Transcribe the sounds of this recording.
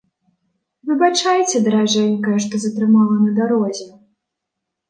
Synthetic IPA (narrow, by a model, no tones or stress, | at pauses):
vɨbat͡ʂajt͡sʲɛd̪ɐɾaʐɛnʲkɐjɛʂt̪ɔzɐt̪ɾɨmalˠɐnɐd̪aɾɔzʲɛ